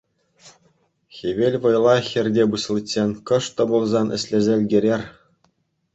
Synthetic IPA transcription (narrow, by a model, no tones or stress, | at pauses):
xʲeʋʲelʲʋɤ̆jlˠɑxʲɘ̆rʲdʲebuɕlˠɯtʲsʲenʲkɤ̆ʂt̪ɤ̆bulˠzɑnʔɘ̆sʲlʲĕzʲĕlʲɡʲĕɾʲerʲ